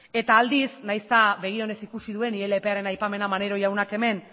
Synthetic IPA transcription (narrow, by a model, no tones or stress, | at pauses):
e̞t̪aːld̪isnajst̪aβe̞ɣ̞io̞ne̞sikusiðue̞niɾe̞lepe̞aɾe̞najpame̞namane̞ɾo̞jawnake̞me̞n